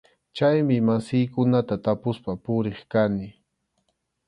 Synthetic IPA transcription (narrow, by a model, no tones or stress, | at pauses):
t͡ʃajmɪmasɪjkʊnat̪at̪apʊspapʊɾeχkanɪ